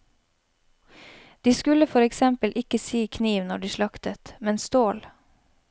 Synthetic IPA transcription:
d̪̥iːskʉləfɔɾɛksɛmpəlʔɪkəsiːkʰniːʋnɔɖiːʃlɑkt̪ət̪mɛnst̪oːl

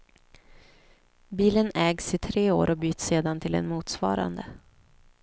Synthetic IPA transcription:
biːlənɛːɡsɪt̪ʰɾeːo̰ːɾʔɔbyːt̪seːd̪ant̪ʰɪlɛ̰nmuːt̪svɑ̰ːɾa̰nd̪ə

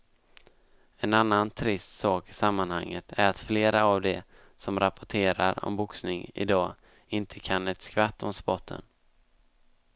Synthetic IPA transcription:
ɛnanːant̪ʰɾɪst̪sɑːkɪ̥samːanhaŋːət̪ʰæɾat̪fleːɾaːvd̪ɛ | sɔmɾapʊʈʰeːɾaɾɔ̰mbʊksnɪŋɪ̰d̪ɑː | ɪnt̪ʰəkʰanɛt̪skvat̪ːɔmspɔt̪ʰːə̰n

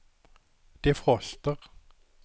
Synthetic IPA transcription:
d̪̥efʁɔst̪əʁ

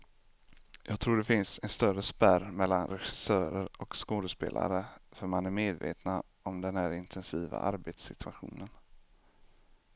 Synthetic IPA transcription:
jɑːɡ̚t̪ʰɾuːɖɛfɪnsɛnst̪œɾəspæɾmɛlːanɾɛɧɪ̥sœːɾəɾɔkskoːd̪əspḛːla̰ɾəfœɾmanæɾmeːd̪vḛːt̪na | ɔmd̪ɛnhæːɾɪnt̪ʰɛnsiːva̰ʔaɾbet̪sɪt̪ʰɵaɧṵːnən

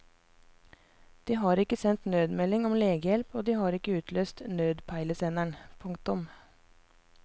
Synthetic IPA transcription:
d̪̥iːhɑːɾɪkəsɛnt̪nøːd̪mɛlɪŋɔmleːɡəjɛlpoːd̪iːhɑːɾɪkəʉːt̪ʰløːst̪nøːd̪pʰæɪləsɛnæɳpʰʊŋkt̪ʊm

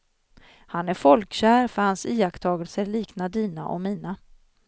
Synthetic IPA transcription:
hanæɾfɔlkɕæːɾfœɾhansiːakt̪ʰɑːɡəlsəɛɭiːknad̪iːna̰ʔɔ̰miːna

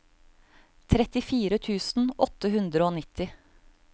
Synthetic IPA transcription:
t̪ʰɾɛt̪ɪfiːɾət̪ʰʉːsn̩ʔɔt̪ːəhʉnd̪ɾəoːnɪt̪ʰɪ

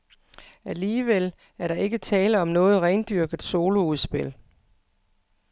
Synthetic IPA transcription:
æliːʋel̰ | æɐɾɑ̈ʔe̝ɡ̥ət͡sʰɛːləɒ̽mnɔ̽ːð̞̩ˠʁɛɪnd̥yɐɡ̥ð̩ˠso̝ːlo̝uð̞ˠsb̥e̝l̰

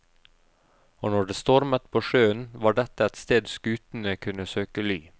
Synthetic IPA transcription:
oːnɔɖeːst̪ɔɾmət̪pʰoːʃøːənʋɑːɖɛt̪əɛt̪st̪eːd̪skʉːt̪n̩əkʰʉnəsøːkəlyː

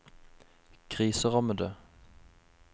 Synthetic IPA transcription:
kʰʁiːsəʁɑməd̪ə

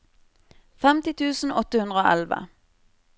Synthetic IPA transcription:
fɛmt̪ɪt̪ʰʉːsn̩ɔt̪əhʉnəoːʔɛlʋə̰

